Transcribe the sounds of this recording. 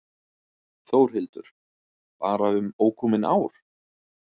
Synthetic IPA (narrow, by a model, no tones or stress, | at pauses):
θoːwɾ̥ɦɪlt̪ʏɾ̥ | paːɾaʏmoːwkʰɔmɪna̰ːwɾ̥